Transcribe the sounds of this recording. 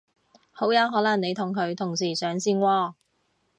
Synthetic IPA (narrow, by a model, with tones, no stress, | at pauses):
ho˨˥wjɐ˨˧wɦɔː˨˥lɐ˨˩ne˨˧jt̪ʰʊ˨˩ŋkʰɵ˨˧ɥt̪ʰʊ˨˩ŋsiː˨˩sœː˨˥ŋsiː˧nwɔː˧